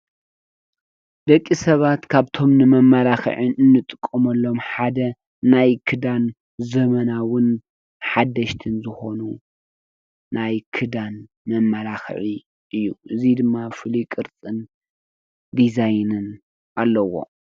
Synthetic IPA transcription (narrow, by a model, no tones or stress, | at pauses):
d̪ɐkʼːisɐβat̪kʰaβt̪ʰo̞mnɨmɐmːɐlaxɨ̰ʕɨnɨnːɨt̪ʼɨkʼːumɐlːo̞mħad̪ɐ | najkʰɨd̪an | zɐmɐnawʊn | ħad̪ːɐʃt̪ʰɨnzɨxo̞nu | najkʰɨd̪an | mɐmːalaxɨ̰ʕi | ʔɨjːuʔɨzid̪ɨmːafɨlikʼɨɾt͡sʼɨn | d̪izajnɨn | ʔalːɐwo̞̰